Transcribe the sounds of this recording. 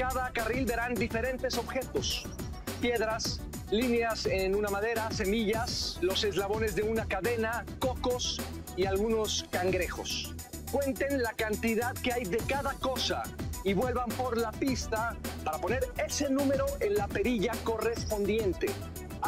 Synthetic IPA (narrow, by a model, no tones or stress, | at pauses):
kaðakarilbe̞ɾand̪ife̞ɾe̞nt̪e̞so̞βxe̞t̪o̞s | pje̞ðɾas | lineasenunamaðe̞ɾase̞miʝaslo̞se̞zlaβo̞ne̞zðe̞unakaðe̞nako̞ko̞s | ialɣuno̞skaŋɡɾe̞xo̞̰s | kwe̞nt̪e̞nlakant̪iðaðke̞ajðe̞kaðako̞sa̰iβwe̞lβampo̞ɾlapist̪apaɾapo̞ne̞ɾe̞se̞nũme̞ɾo̞ʔe̞nlape̞ɾiʝako̞re̞spo̞nd̪je̞nt̪e̞